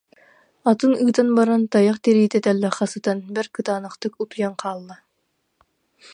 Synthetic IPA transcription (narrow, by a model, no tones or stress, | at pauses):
at̪ɯnɯːt̪anbaɾant̪ajaχt̪ɛɾiːt̪ɛt̪ɛlːɛχɑsɯt̪anbɛɾkɯt̪aːnɯχt̪ɯkut̪ujaŋqʰaːlˠːa